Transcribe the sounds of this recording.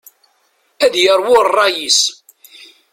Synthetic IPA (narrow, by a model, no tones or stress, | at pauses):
æðjəɾˤwʊɾrˤːɑjis